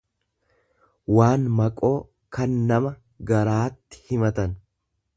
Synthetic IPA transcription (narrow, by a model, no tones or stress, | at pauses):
waːnmɐkʼo̞ː | kɐnːɐmɐ | ɡɐɾaːt̪ːɪ̥hɪmɐt̪ɐn